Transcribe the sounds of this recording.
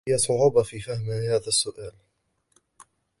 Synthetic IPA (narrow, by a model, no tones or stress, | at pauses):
jasˤʊʕuːbɑfiːfahmɪnhaːðasːʊʔaːl